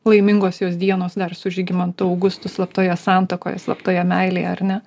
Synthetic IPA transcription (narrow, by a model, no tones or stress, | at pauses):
lˠɐɪmʲɪŋɡoːsjoːs̬d̪ʲiɛnoːsd̪ɐrsʊʒʲɪɡʲɪmɐnt̪ʊɒʊɡʊst̪ʊslˠɐpt̪oːjɛsɑːnt̪oko̰ːjɛ̰slˠɐ̰pt̪oːjɛmʲɛɪlʲḛːjɛɐrnʲɛ